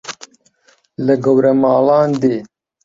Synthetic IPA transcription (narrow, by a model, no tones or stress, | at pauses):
lɐɡɐwɾɐmaːlaːnd̪eː